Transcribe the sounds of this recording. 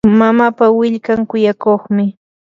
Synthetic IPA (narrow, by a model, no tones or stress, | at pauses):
mamapawɪʎkaŋkʊjakoχmɪ